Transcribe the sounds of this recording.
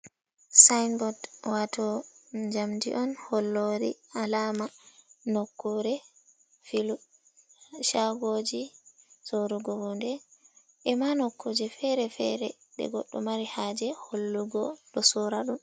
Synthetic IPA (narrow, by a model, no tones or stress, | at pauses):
sajnbɔdwatʰɔd͡ʒamdḭʔɔnhɔlːoɾḭalaːmanokːɔɾɛ | filu | ʃaɡoːd͡ʒi | soɾuɡɔwundɛ | ʔɛmanɔkːod͡ʒɛfɛɾɛfɛ̰ɾɛ | ɗɛ̰ɡɔ̰ɗːɔ̰maɾihaːd͡ʒɛholːuɡɔɗɔsɔɾaɗum